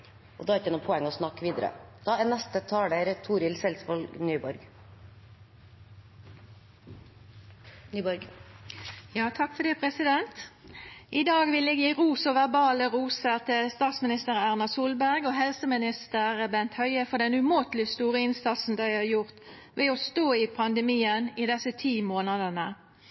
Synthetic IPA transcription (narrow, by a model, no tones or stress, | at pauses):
ʔɔ̰d̪ɑːɛɾɪt̪ɛnuːpʰɔɛŋːɔsnɑkːʋiːd̪əɾə̰d̪̥ɑːænɛst̪ət̪ʰɑːɽeɾt̪ʰuːɾɪlsɛlsʋɔlɡnyːbɔɾɡ | ɾ | jɑːt̪ʰɑkːfɔd̪eːpʰʁɛsɪd̪ɛnt̪ | ʔɪd̪ɑːɡʋɪlɛɡjiːʁuːsɔʋæʁbɑːləʁuːsət̪əst̪ɑːt̪smɪnɪst̪əʁəæʁnɑsuːlbæʁɡoːɦɛlsəmɪnɪst̪əʁəbɛnt̪hœʏəfɔd̪ɛnʉmoːt̪lɪst̪uːʁəɪnsɑt̪sn̩d̪æɪhɑːjʊʁt̪ | ʋɛɔst̪oːɪpʰɑnd̪əmiːəniːd̪ɛsət̪ʰiːmoːnɑd̪ənə